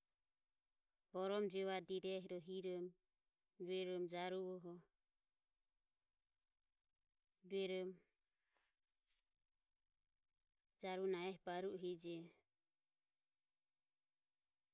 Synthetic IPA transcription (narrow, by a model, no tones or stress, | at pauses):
b̥ɔɾɔmd͡ʒɛwad̪iɾɛɦɾɔɦiɾɔm | d͡ʒuɛɾɔmd͡ʒaɾuwɔɦɔ | duɛɾɔm | d͡ʒaɾunaɛhbaɾuʔɦid͡ʒɛ